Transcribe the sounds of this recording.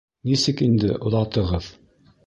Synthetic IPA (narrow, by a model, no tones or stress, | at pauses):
nisɘkind̪ɘ̰ʔŏðɑt̪ɤ̆ʁɤð